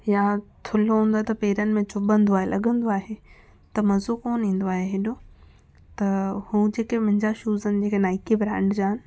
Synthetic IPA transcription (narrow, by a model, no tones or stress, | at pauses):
jat̪ʰʊloɦũːnd̪ot̪ɐpeːɾənɪ̆mẽt͡ɕʊbə̃nd̪oaːɦelʔɐ̰ɠə̃nd̪oaːɦe | t̪ɐmɐzokoːnĩːn̆d̪oaːɦeɦeːɗo | t̪ɐhuːd͡ʑeːkemɐ̃ɦɪ̃ɲd͡ʑaʃuːzənɪ̆d͡ʑeːkenaːɪkibɾãːɳɖd͡ʑaːɦɪnɪ̆